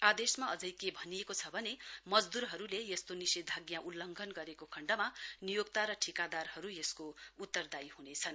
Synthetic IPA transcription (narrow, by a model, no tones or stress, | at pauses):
ad̪esmaʌd͡zʌjkebʱʌnijekot͡sʰʌbʱʌnemʌd͡zd̪urɦʌɾulejest̪onisid̪ʱaɡjãʔulːʌŋɡʱʌnɡʌɾekokʰʌɳɖʌmanijoɡt̪aɾʌʈʰikad̪arhʌɾujeskout̪ːʌrd̪ajhunet͡sʰʌn